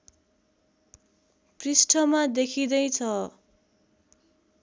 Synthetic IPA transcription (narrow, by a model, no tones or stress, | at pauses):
prisʈʰʌmad̪ekʰid̪ʌjt͡sʰʌ